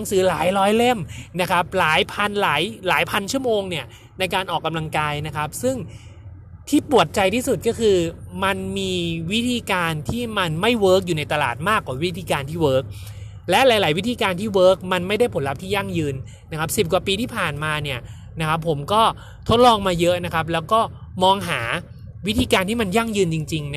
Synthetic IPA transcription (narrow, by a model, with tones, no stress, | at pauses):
a˩˦ŋsɯː˩˦laː˩˦jlɔː˦˥jle˥˩mna˦˥kʰa˦˥p̚laː˩˦jpʰa˧nlaː˩˦jlaː˩˦jpʰa˧nt͡ɕʰu˥˩əmoː˧ŋni˥˩ɐ | na˧jkaː˧nʔɔː˨˩kːa˧mla˧ŋkaː˧jna˦˥kʰa˦˥p̚sɯ˥˩ŋ | t̪ʰiː˥˩pu˨˩ət̪̚t͡ɕa˧jt̪ʰiː˥˩su˨˩kɔː˥˩kʰɯː˧ma˧nmiː˧wi˦˥t̪ʰiː˧kaː˧nt̪ʰiː˥˩ma˧nma˥˩jwɤː˦˥k̚juː˨˩na˧jt̪a˧la̰ː˨˩t̪̚maː˥˩kːwaː˨˩wi˦˥t̪ʰiː˧kaː˧nt̪ʰiː˥˩wɤː˦˥k̚ | lɛ˦˥ʔlaː˨˩˦jlaː˩˦jwi˦˥t̪ʰiː˧kaː˧nt̪ʰiː˥˩wɤː˦˥k̚ma˧nma˥˩jda˥˩jpʰo˩˦nla˦p̚t̪ʰiː˥˩ja˥˩ŋjɯː˧nː | a˦˥kʰa˦˥p̚si˨˩p̚kwaː˨˩piː˧t̪ʰiː˥˩pʰaː˨˩nmaː˧ni˥˩ɐ | na˦˥kʰa˦˥pʰːo˩˦mkɔː˥˩ | t̪ʰo˦˥t̪̚lɔː˧ŋmaː˧jɤ˦˥ʔna˦˥kʰa˦˥p̬̚lɛː˦˥wkɔː˥˩ | mɔː˧ŋɦaː˩˦ | wi˦˥t̪ʰiː˧kaː˧nt̪ʰiː˥˩ma˧nja˥˩ŋjɯː˧nt͡ɕi˧ŋt͡ɕi˧ŋn